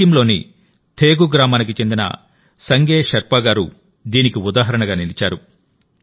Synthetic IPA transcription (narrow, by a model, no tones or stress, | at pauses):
ɐmlo̞ːnḭ | t̪ʰeːɡuɡɾaːmaːnik̬it͡ʃe̞nd̪inɐ̰ | sɐŋɡeːʃɐɾpaːɡaːɾu | d̪iːnikiud̪aːɦɐɾɐɳɐɡaːnilit͡ʃaːɾu